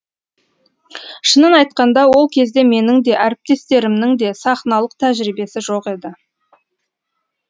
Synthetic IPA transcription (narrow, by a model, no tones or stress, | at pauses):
ʃənənɑjt̪qɑnd̪ɑwo̞lˠkʲʰe̞zd̪e̞me̞nɪŋd̪e̞ʔæɾɪp̚t̪e̞st̪e̞ɾɪmnɪŋd̪e̞sɑχnɑlˠəq̚t̪ʰæʒɾibe̞sɪʒoqe̞d̪ɪ